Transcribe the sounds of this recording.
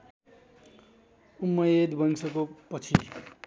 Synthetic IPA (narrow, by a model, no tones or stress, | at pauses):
umːʌjed̪bʱʌŋsʰʌkopʌt͡sʰi